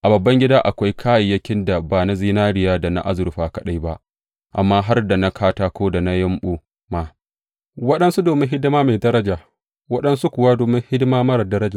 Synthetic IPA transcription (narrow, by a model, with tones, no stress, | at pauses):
ʔa˨bɐ˨bːɐ˦ŋɡʲɪ˦daː˦ʔa˨kʷa˦jkʰaː˦jɪ˨jːɐ˦kʲɪ˦nda˨baː˨na˦ziː˦naː˦ɽɪ˨jaː˦da˨na̰˦ʔa˦zʊ˨ɾɸaː˨kɐ˨ɗa˦jba˦ʔ | ʔa̰˨mːaː˦ɦa˦rda˨na˦kʰaː˦taː˦kʷoː˦da˨na˦jɐ˦mɓuː˦ | ma˨ | wɐ˦ɗɐ˦nsu˦doː˨mɪ˦nɦɪ˦dmaː˦meː˨dɐ˦ɾɐ˦d͡ʒaː˨ | wɐ˦ɗɐ˦nsu˦kʷʊ˨waː˦doː˨mɪ˦ŋhɪ˦dmaː˦mɐ˦ɾɐ˨dɐ˦ɾɐ˦d͡ʒaː˨